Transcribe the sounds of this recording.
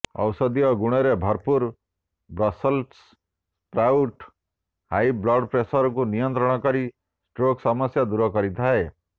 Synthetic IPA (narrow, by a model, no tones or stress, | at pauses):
ɔ̰wsɔd̪ijɔɡuɽ̃eɾebʱɔɾpuɾ | bɾɔsɔls | pɾawʈ | hajblɔɖpɾesɔɾɔkunijɔnt̪ɾɔɽ̃ɔkɔɾi | sʈɾoksɔmɔsjad̪uɾɔkɔɾit̪ʰae